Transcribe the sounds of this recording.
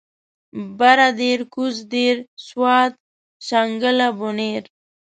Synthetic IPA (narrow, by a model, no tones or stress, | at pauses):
baɾad̪eɾkuzd̪eɾswɑːt̪̚ | ʃaŋɡəlaboneɾ